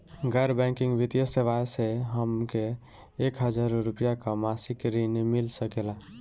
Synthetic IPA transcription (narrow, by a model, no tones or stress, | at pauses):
ɡəɾbɛ̃ŋkiŋɡbit̪ijəseʋajseɦəmkeː | kɦəd͡ʒaɾɾupijakamasikɾinmilsəkela